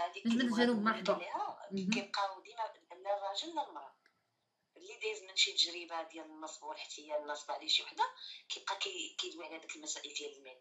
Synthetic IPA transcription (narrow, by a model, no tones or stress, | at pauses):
hæd̪ikmənælubmɑd̪ˤulihækæjb̚qɑd̪imæləlːərˤɑʒəlːəlmɾˤɑd | lːid̪æjzmənʃit̪əʒɾibad̪jælənːəsˤbwəlħḁt̪ːəjːanːəsˤbʕliʃiwaħd̪akæjb̚qɑkækæjd̪wiʕhæd̪əkəlmæsæʔəld̪jæləlmin